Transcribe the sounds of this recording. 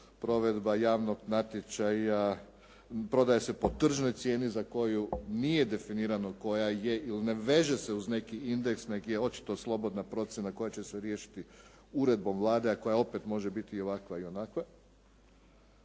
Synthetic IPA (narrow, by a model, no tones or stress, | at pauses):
pɾo̞ʋe̞d̪bajaːʋno̞ɡnat̪jet͡ʃaja | pɾo̞d̪ajese̞po̞t̪r̩ʒno̞jt̪sje̞ːnizako̞junije̞d̪e̞finiːɾano̞ko̞jaje̞iline̞ʋe̞ʒe̞seuzne̞kiind̪e̞ksne̞ɡjeo̞t͡ʃi̥t̪o̞slˠo̞bo̞d̪napɾo̞t̪sjenako̞jat͡ɕe̞seɾjeːʃi̥t̪i | uɾe̞d̪̚bo̞mʋlˠaːd̪eako̞jao̞pe̞t̪mo̞ʒebit̪iːo̞ʋakʋaio̞nakʋe